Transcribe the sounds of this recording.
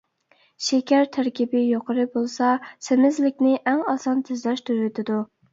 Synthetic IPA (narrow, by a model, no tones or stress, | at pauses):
ʃekʲæɾt̪ʰæɾkʲibɪjoqʰəɾɨbolˠsɑsɪmɪzlɪkʲnɪʔɛŋɑsɑnt̪ʰɪzlɛʃt̪ʰyɾɪt̪ʰɪd̪u